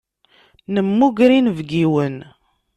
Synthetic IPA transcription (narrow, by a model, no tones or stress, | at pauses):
nəmːuɡɾinvɡiwən